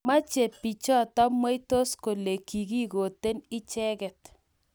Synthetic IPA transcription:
ma˦t͡ʃe˨pi˨t͡ʃɔ˦tɔ˦mwe˦i˦to˦sko˨le˨ki˨ɡi˦ɣo˨te˦nɪ˦t͡ʃɛ˦ɣɛ˨t

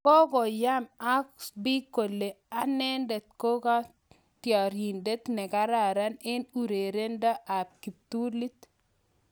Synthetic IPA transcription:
kɔ˦ɡɔ˨ja˦ma˦kbi˦ko˨lːe˨ | a˦nɛ˦nde˨t̪̚ko˦ka˦ | tja˨ɾi˨nde˦t̪nɛ˨ka˦ɾa˨ɾa˦nɪ˦nu˨ɾe˨ɾe˦nda˦ʔa˨p̚ki˨p̚t̪u˦li˦t̪

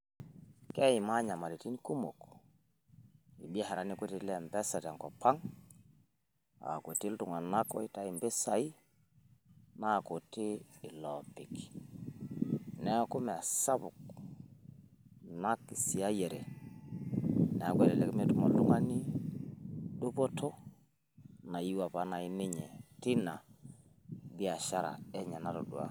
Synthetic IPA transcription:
kɛ˦i˨ma˦ɲa˨ma˨ɾi˨ti˦ni˦ku˦mo˨k | i˨ɓi˦ɛ˦ha˨ɾa˨˦ni˦ku˦ti˨˦lɛ˨mbɛ˦sa˨tɛ˨ŋkɔ˨pa˦ŋ | a̰˨ko˨ti˦ltu˨ŋa˨na˦kɔ̰˦i˦ta˦i˨mbe˦sa˨i˦ | na˦˨ko˨tiː˦˨lɔ˨pi˨k | nɛ˦a˦˨ku˦mɛ˨a˨sa˦bu˨k | na˦ki˨si˨a˦jɛ˨ɾɛ˨ | nɛ˨a˨kwɛ˦˨lɛ˨lɛ˨kme˦tu˦ma˨llu˦ŋa˦ni˦ | ɗu˦pɔ˦tʰɔ˦ | na˨ji˦wa˨pa˦na˨i˦ni˦ɲɛ˨ti˦na˨ | bi˦a˨ʃa˦ɾa̰˨ɛ˦ɲa˨na˦to˨dṵ˨a̰˦

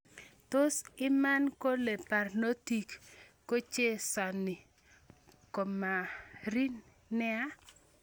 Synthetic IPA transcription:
to˦sɪ˦ma˦nko˦le˨pa˨rno˦ti˨kː | o˦t͡ʃe˦sa˨nɪ˨ | ko˨ma˨ɾi˦n | nɛ˦a˦

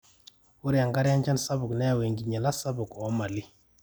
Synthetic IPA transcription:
ʊ˦ɾja˨ŋɡa˦ɾɪ˦a˦nd͡ʒa˦nsa˦bʊ˨knɛ˦a˦˨we˨ŋɡi˨ɲa˨la˦sa˦bʊ˨kɔ˨˦ma˨li˦

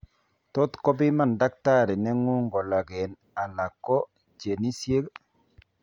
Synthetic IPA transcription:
tɔ˦t̪kɔ˦bi˦ma˦˨nda˦k̚ta˦ɾɛ˨nɛ˦ŋu˦ŋɡɔ˨la˨ɡɛ˨n | a˨la˨kːɔ˦ | t͡ʃe˨ni˦sje˦k

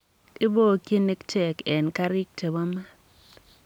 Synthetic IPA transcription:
ɪ˦bo˦˨ki˦ni˦kt͡ʃɛ˨kɛ˨nka˦ɾɪ˦k̚tʰe˨wa˦ma˦

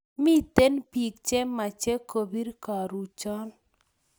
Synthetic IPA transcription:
mi˦t̪e˦npi˨k̚t͡ʃɛ˦ma˨t͡ʃɛ˦ko˨bi˦ɾka˨ɾu˨t͡ʃɔ˦n

